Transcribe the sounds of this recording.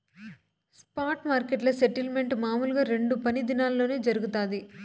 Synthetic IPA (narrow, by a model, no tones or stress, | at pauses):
spaːɾʈmaːɾkeʈlɐseʈilme̞ɳʈmaːmuluɡaːɾe̞ɳɖupɐnid̪inaːllo̞ːne̞ːd͡ʒɐɾuɡut̪aːd̪i